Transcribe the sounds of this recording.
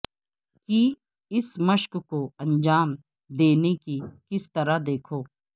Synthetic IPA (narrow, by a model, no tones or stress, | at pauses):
ki | ɪsməʃkkoɐ̃nd͡ʒaːm | d̪eːnekikɪst̪ɐɾad̪eːkʰoː